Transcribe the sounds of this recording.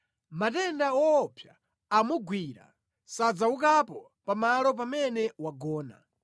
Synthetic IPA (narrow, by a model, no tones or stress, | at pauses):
matɛndaɔːpʰjaː | muɡwiːɾa̰ | sad͡zaukapɔ | pamalɔp̬amɛnɛwaɡɔːna̰